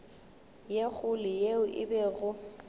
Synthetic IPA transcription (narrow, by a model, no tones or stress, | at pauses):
jek͡xʰʊlɪjeʊʔɪ̰bɛɣʊ